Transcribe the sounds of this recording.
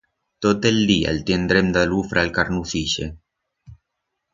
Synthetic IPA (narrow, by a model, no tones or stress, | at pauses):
t̪ot̪eld̪ia̰lt̪jend̪ɾemd̪alufɾalkaɾnuθiʃḛ